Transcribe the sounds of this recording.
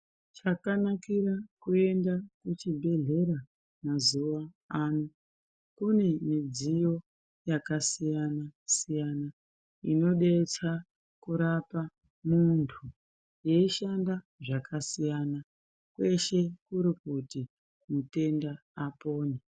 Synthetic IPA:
t͡ʃakanakiɾakue̞ndakut͡ʃibʱe̞ɮe̞ɾa | mazuʋa | anu | kune̞mid͡zijo̞ | jakasijanasijana | ino̞ɗe̞t͡sa | kuɾapa | muntʰu | je̞iʃanda | ʐakasijana | kwe̞ʃe̞kuɾikuti | mute̞ndaː | po̞ːne

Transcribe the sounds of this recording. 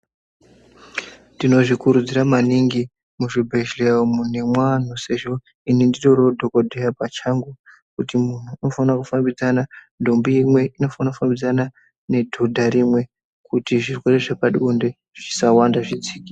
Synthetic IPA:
ndino̞ʐikuɾud͡ziɾamaniŋɡi | muʐibʱeʒleomune̞mwan̤use̞ʐo̞ | inindiroɾodʱokodʱejapat͡ʃaŋɡu | kutimun̤uino̞fanakufambid͡zanandʱombuimwe̞ino̞fanakufambid͡zana | ne̞dʱodʱaɾimwe̞ | kutiʐirwe̞ɾe̞ʐepaɗunde̞ | ʐ̥isawandaʐid͡ziːki

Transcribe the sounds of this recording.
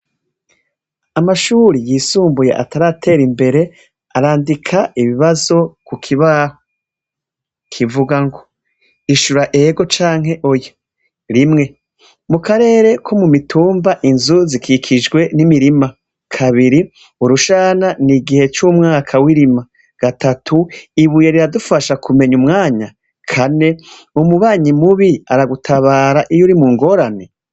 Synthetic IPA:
amaʃuːɾijiːsuːmbujḛʔa̰taɾatʰe̞ːɾimbe̞ɾe̞ | aɾaːndikʰaiβiβazo̞kukʰiβaːho | kʰivuɡaŋɡo | iʃuɾaʔeɡo̞t͡ʃaːŋ̥ɦe̞ʔojo | ɾimŋe̞ | mukaɾe̞ːɾe̞kʰo̞mumituːmbaʔinzuzikʰikʰid͡ʒɡwe̞nimiɾima | kʰaβiɾi | uɾuʃaːnaniɡihe̞t͡ʃumŋaːkʰawiɾima | ɡ̥atatʰuiβuje̞ɾiɾadufaʃakʰume̞ɲumŋaːɲa | kʰane̞ | umuβaːɲimuβiaɾaɡutʰaβaːɾaʔijoɾimuːŋɡo̞ːɾane̞

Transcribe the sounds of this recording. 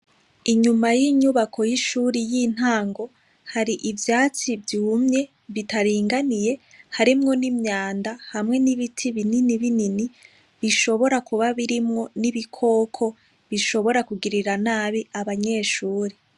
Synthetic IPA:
iɲumajiɲuβakʰojiʃuːɾijin̥haːŋɡo̞ | haɾiʔivjaːt͡sivjumɲe̞ | βitaɾiːŋɡanije̞ | haɾimŋo̞nimɲaːndahamŋe̞niβitʰiβininiβinini | βiʃo̞βo̞ɾakuβaβiɾimŋo̞niβikʰo̞ːkʰo̞ | βiʃo̞βo̞ɾakuɡiɾiɾanaːβiaβaɲe̞ːʃuːɾi

